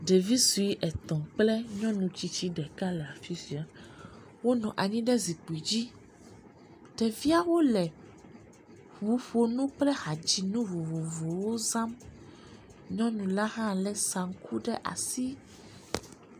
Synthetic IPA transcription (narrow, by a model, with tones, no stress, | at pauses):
ɖɛ˨vi˦su˨i˦ʔɛ˨t̪ɔ̃˨k͡plɛ˦ɲɔ̃˦nũ˨t͡ɕi˦t͡ɕi˦ɖɛ˨ka˦lɛ˨a˨fi˦si˨a˨ | wo˦nɔ̃˨ʔa˨ɲĩ˦ɖɛ˦zi˨k͡pu˨i˨d͡ʑi˦ | ɖ̥ɛ˨vi˦a˦wo˦lɛ˨ | ɸu˨˦ɸo˦nũ˦k͡plɛ˦ha˨d͡ʑi˨nũ˦vo˨vo˨vo˨wo˦zã˦m | ɲɔ̃˦nũ˨la˦ɦã˦˨lɛ˦sa˨ŋ̩˦kʰu˦ɖɛ˦ʔa̰˨si˦